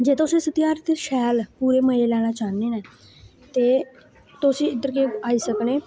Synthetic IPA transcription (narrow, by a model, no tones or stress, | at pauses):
d͡ʒeːt̪ʊsẽːsət̪ijaːɾt̪eʃɛːlpuːɾeːməeːlɛːɽ̃aːt͡ʃaːneːneː | t̪eː | t̪ʊsĩːɪd̪əɾkeaːiːsəkneː